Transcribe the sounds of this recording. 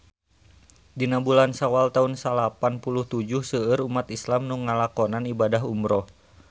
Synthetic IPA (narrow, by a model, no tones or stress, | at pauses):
dinabulansawalt̪aunsalapanpuluht̪ud͡ʒuhsəəɾumat̪islamnuŋːalakɔnanibadaɦumɾɔh